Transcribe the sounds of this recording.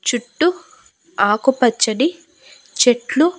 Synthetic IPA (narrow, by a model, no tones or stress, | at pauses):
t͡ʃuʈːu | aːkupɐt͡ʃːɐɽi | t͡ʃeʈlu